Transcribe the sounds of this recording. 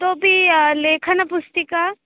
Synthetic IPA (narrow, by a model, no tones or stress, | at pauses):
t̪obʱileːkʰɐnɐpʊst̪ika